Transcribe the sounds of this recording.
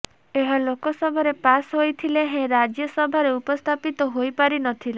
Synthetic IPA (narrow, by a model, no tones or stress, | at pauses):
eɦɔlokɔsɔbʱɔɾepasɦojt̪ʰileɦẽɾad͡ʒjɔsɔbʱɔɾeupɔst̪ʰapit̪ɔɦojpaɾinɔt̪ʰile